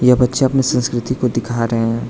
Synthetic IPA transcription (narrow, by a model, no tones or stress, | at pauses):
jɐbɐtːʃẽɐpnisə̃nskɾɪt̪ikod̪ɪkʰaːɾɐɦeɛ̃ː